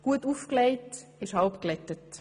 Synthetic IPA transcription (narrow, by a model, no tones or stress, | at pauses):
ɡ̥uətuːfkleɪtɪʃhɑlpklɛtət